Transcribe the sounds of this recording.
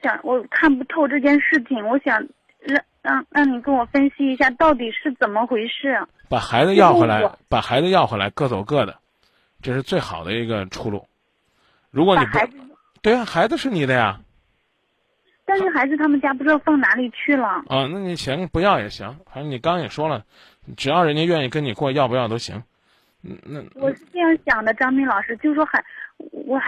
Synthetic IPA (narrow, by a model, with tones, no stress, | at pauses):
ɕjɑ˨˥ŋwɔ˨˩kʰa˥˩np̬u˧˥t̪ʰo˥˧ʊʈ͡ʂɤ˥˧t͡ɕjɛ˥˧nʂɻ̩˥˩t͡ɕʰi˩ŋwɔ˧˥ɕjɑ˨˩ŋ | ɻɑ˥˧ | ɻɑ˥˩ŋɻɑ˥˩ŋni˨˩kə˥nwɔ˨˩fə˥nɕi˧˥i˧˥ɕja˥˧t̪ɑ˥˩ʊt̪̬i˨˩ʂɻ̩˥˩t͡sə˨˩nmə˦xwe˧˥ɪʂɻ̩˥˩ | pa˨˩xa˧˥ɪd͡z̩˧jɑ˥˩ʊxxe˥˩˥la˧˥ɪ˧pa˨˩xa˧˥ɪd͡z̩˧jɑ˥˧ʊxwe˧˥˩la̰˧˥ɪkɤ˥˧˩t͡so˨˩ʊkɤ˥˩d̪ə̰˩ | ʈ͡ʂɤ˥˧ʂɻ̩˥˧t͡swe˥˩ɪxɑ˨˩ʊd̪ə˦i˧˥ɡə˧ʈ͡ʂʰu˥˧lṵ˥˩ | ɻu˧˥kwɔ˥ni˨˩pɪ | t̪we˥˩ɪa˧xa˧˥ɪd͡z̩˧ʂɻ̩˥˩ni˨˩d̪ə˦ja˩ | t̪a˥˧nʂɻ̩˥˩xa˧˥ɪd͡zɹ̩˧t̪ʰa˥mə˨nt͡ɕja˥pu˧˥ʈ͡ʂɻ̩˥d̪ɑ˥˧fɑ˥˩ŋna˧˥li˨˩t͡ɕʰy˥˩lə˩ə˧na˥˩ni˨˩ɕi˧˥ŋpu˧˥jɑ˥˩ʊjɛ̰˨˩ɕi˧˥ŋa˨˧˥ʂni˨˩kɑ˥ŋjɛ˨˩ʂwɔ˥lə˨ | ʈ͡ʂɻ̩˨˩jɑ˥˩ʊɻə˧˥nt͡ɕjɛ˥ɥɛ˥˧ni˥˩kə˥ni˨˩kwɔ˥˧˦jɑ˥˧ʊpə˧jɑ˥˩t̪o˥ʊɕḭ˧˥ŋ | n˥˧na˥˧wɔ˨˩ʂɻ̩˥˧fe˥ʈ͡ʂɑ˧˥ŋɕjɑ˨˩ŋd̪ə˦ʈ͡ʂɑ˥ŋmi˥ŋlɑ˨˩ʊʂɻ̩˥t͡ɕjo˥˧ʊʂɻ̩˥ʂwɔ˥xa˧˩˦wɔ˨˩